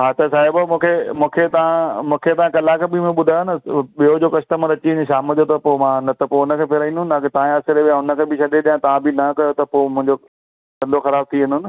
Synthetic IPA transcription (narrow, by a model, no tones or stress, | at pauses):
ɦaːt̪ɐsaːɦɪbmũːkʰemũːkʰet̪ɐʋãmũːkʰet̪ɐʋãkɐlakebimẽɓʊd̪ʱajonə̆ɓijod͡ʑoːkɐʃʈəmãɾɐt͡ɕiɪ̃nʃ̬aːməd͡ʑot̪ɐpomãnɐt̪ɐpoʊnə̆kʰeːpʰɪɾaĩnd̪ʊn̆t̪aːkʰet̪ɐʋãɐsɪɾeʋjãʊnə̆kʰeːbʱɪʃɐɗeɗijãt̪ɐʋãbɪnɐkɐjot̪ɐpomʊ̃ɦɪ̃ɲd͡ʑo | kɐ̃nd̪ʱoxɐɾaːb̚t̪ʰiʋɪ̃nʱʊnɪ̆